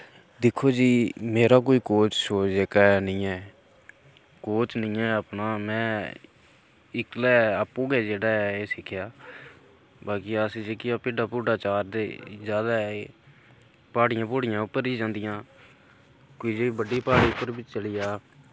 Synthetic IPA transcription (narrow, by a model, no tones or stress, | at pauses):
d̪ɪkʰːoːd͡ʒiːmeːɾaːk̬oːiːkoːt͡ʃʃoːd͡ʒeːkaːnĩːɛː | koːt͡ʃnĩːɛːəpnaːmɛ̃ː | ɪklɛːaːpːũːɡɛːd͡ʒeːɽaːɛeːsɪkʰːɪjaː | baːkiːəsd͡ʒɪkɪjaːpɪːɖaːpuːɖaːt͡ʃaːɾd̪ḛːzaːd̪aːe | paːɽɪjãːpoːɽɪjãːʊpːəɾiːd͡ʒãːnd̪ɪjãː | koiːd͡ʒeːiːbəɖːiːpaːɽiːʊpːəɾbɪt͡ʃt͡ʃəlɪːjaː